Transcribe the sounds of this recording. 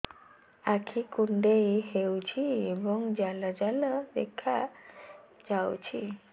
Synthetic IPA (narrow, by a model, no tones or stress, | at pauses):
akʰikuɳɖejɦewt͡ʃʰiebɔŋd͡ʒalad͡ʒaləd̪ḛkʰːa | d͡ʒawt͡ʃʰi